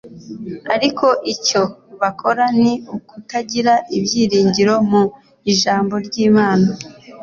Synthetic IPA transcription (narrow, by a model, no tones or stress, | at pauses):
aɾikʰo̞ʔico̞βakʰo̞ɾaniukutaɟiɾaʔibjiːɾiːɲɟiɾo̞mu | iʒaːmbo̞ɾɟiːmaːna